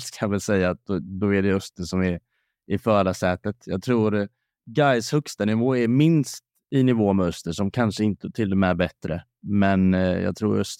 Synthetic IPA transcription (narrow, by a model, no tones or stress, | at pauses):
skʰajɑvɪlsɛjːaːt̪̚d̪ɔd̪ɔɛɖɛɵst̪əsɔmɛɾ | ɪfœːɖasɛːt̪ət̪jɑːɡt̪ʰɾuːɾ | ɡajshɵkst̪anɪvoːɛɾmɪnst̪ | ɪnɪvoːmɛœst̪əʂɔmkʰanʂəɪnt̪ət̪ʰɪlːɔmɛbɛt̪ːɾə̰ | mɛnjɑ̰ɡt̪ʰɾṵːɾœst̪